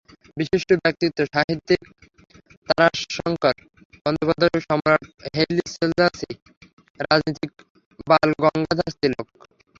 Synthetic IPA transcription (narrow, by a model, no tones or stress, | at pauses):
biʃiʃʈobɛk̚t̪it̪ːoʃaɦit̪ːik̚ | t̪aɾaʃːɔŋkaɾ | bɔnd̪opad̪ʱoʃɔmɾaʈɦeliselzasi | ɾad͡ʑnit̪ik̚ | balɡɔŋɡad̪ʱast̪ilo̰k̚